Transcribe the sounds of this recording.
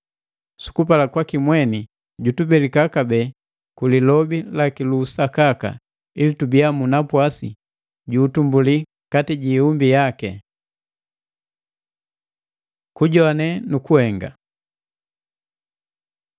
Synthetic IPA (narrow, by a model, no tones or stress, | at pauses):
su̥kupalakwakimwɛni | ɟutubɛlikakabɛ | kulilɔbilakilusakaka̰ | ilitubiamunapwasḭ | ɟuːtumbuli | katiɟiumbijakɛ | kuɟɔanɛnukuhɛŋɡa̰